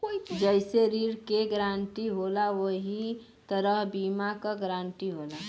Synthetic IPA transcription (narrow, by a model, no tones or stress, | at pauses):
d͡ʒəɪseɾiɾkeɡɾãnʈ̪iɦolawoɦi | t̪əɾəɦbimakəɡɾãɳʈ̪iɦola